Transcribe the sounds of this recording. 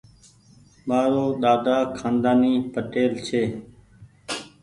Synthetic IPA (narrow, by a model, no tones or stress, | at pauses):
ɓaːɾoːɗ̪aːd̪aːkʰãːnd̪aːniːpəʈeːlt͡ʃʰeː